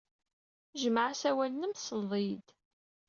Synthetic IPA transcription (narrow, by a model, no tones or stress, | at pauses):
ʒəməʕsæwælnəmsəlðˤid̪